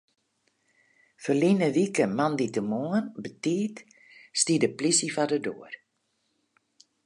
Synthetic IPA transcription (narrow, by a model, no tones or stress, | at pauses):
fəlinəʋikəmanditəmoənbətiːt | stidəplisifadədoər